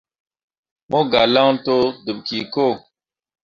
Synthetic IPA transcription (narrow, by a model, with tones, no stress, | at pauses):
mo˦ɡa˨la˦ŋto˦du˨b̚ki˨ko˦˨